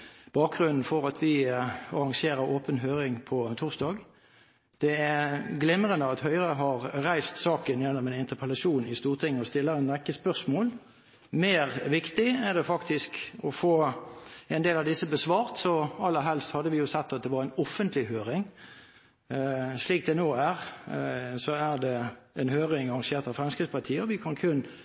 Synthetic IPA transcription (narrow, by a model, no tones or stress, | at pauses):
b̥ɑːk̚ɡʁʉnn̩fɔɾɑt̪ʰʋɪɑɾɑŋseːɾəɾoːpənɦøːɾɪŋpʰɔt̪ʰʊʁsd̪ɑːɡ | d̪̥ɛæɡlɪmɾənəɑt̪hœʏʁəɦɑʁʁæɪst̪sɑːkənjɛnːɔmɛnɪnt̪əpʰəlɑʃuːnɪst̪uːʁt̪ʰɪŋːəɔst̪ɪlːəʁənɛɪkːəspœʁsmoːl | meːʁʋɪkt̪ɪæʁd̪ɛfɑkt̪ɪskɔfoː | ɛnd̪eːlɑʋd̪ɪsːəbəsʋɑːʁt̪sɔɑlːəɾɦɛlst̪hɑd̪ːəʋɪjʊsɛt̪ːɑt̪̚d̪ɛʋɑʁɛɪnɔfːənt̪ʰlɪhøːɾɪŋ | ʂliːk̚d̪ɛnoːæʁ | sɔæʁd̪ɛɛnhøːʁɪŋɑʁɑŋʃeːʁt̪ɑʋfɾɛmskɾɪspɑt̪ʰiːəɔʋɪkʰɑnkʰʉnː